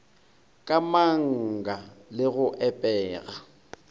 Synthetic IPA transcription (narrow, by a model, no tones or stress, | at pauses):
kʼamaŋ̩ɡalɪɣʊʔɛpʼɛːɣa